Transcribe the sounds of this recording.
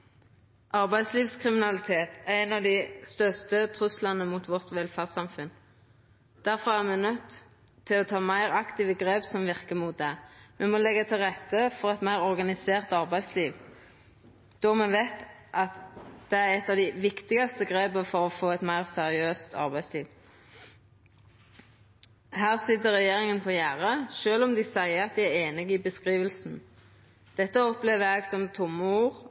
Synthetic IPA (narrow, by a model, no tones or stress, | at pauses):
ʔɑʁbæɪsliːʋskʰʁɪmɪnɑlɪt̪ʰeːt̪æʁɛɪnɑʋd̪ɪst̪œʁst̪ət̪ʰʁʉslɑnəmʊt̪ʋɔʁt̪ʋɛlfæʁsɑmfʉn | d̪̥æɾfɔʁæʁmɛnœt̪ʰː | ɪlɔt̪ʰɑːmæɪʁɑkt̪ɪʋəɡʁeːpsɔmʋɪʁkəmut̪̚d̪ɛmɛmɔlɛɡːət̪ʰɪlʁɛt̪ːəfɔʁɛt̪mæɪʁɔʁɡɑnɪseːʁt̪ɑʁbæɪsliːʋ | d̪̥ɔmɛnʋɛt̪ʔɑt̪d̪̥ɛæʁɛt̪ːɑʋd̪ɪʋɪkt̪ɪɡɑst̪əɡʁeːbəfɔɾɔfoːɛt̪mæɪʁsæʁɪøːst̪ʰɑ̰ʁbæɪsliːʋ | hæːʁsɪd̪əʁɛjeːʁɪŋənpʰɔjæʁəʃøːlɔmd̪ɪsæɪəɑt̪̚d̪ɪæɾeːnɪɡɪbəskʁiːʋəlsn̩ | d̪̥ɛt̪ːəɔpleːʋəɾɛɡsɔmt̪ʰʊmːəuːʁ